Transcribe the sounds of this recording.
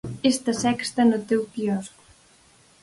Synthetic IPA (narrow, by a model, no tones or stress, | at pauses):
est̪ɐsɛkst̪ɐnot̪ewpiɔzɣu